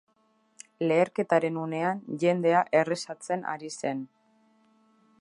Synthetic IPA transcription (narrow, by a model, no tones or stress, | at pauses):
le̞ːɾke̞t̪aɾe̞nune̞anʝe̞nd̪e̞aʔe̞re̞sat͡se̞na̰ɾise̞n